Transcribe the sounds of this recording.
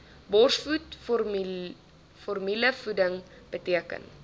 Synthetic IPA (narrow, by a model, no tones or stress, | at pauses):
bɔrsfut | fɔrmiləfudəŋ | b̥ətiəkə̰n